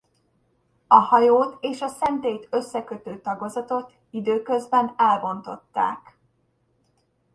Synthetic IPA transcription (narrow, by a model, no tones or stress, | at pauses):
ɒhɒjoːt̪eːʃɒsɛnt̪eːjt̪ø̞sːɛkøt̪øːt̪ɒɡo̞zɒt̪o̞t̪ | id̪øːkø̞zbɛnɛlbo̞nt̪o̞̰t̪ːa̰ːk